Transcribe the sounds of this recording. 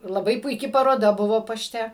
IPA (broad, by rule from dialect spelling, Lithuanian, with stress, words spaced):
lˠɐˈbɐɪ pʊɪˈkʲɪ pɐroːˈdɐ ˈbʊʋoː pɐˈʃʲtʲɛ